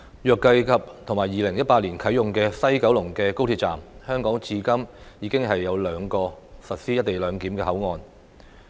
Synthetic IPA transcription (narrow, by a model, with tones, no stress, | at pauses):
jœː˨kːɐ˧jkʰɐ˨p̚t̪ʰʊ˨˩ŋmaː˨˩jːiː˨lɪ˨˩ŋjɐ˥t̚paː˧t̚liː˨˩nkʰɐ˨˥jʊ˨ŋkɛː˧sɐ˥jkɐ˨˥wlʊ˨˩ŋkɛː˧ko˥wt̪ʰi˧t̚t͡sa̰ː˨mhœː˥ŋkɔː˨˥ŋt͡siː˧kɐ˥mjiː˨˧kɪ˥ŋɦɐ˨jːɐ˨˧wlœː˨˧˥ŋkɔː˧sɐ˨t̚siː˥jɐ˥t̪e˨jlœː˨˧ŋkiː˨˥mkɛː˧ɦɐ˨˥wŋɔː˨˧n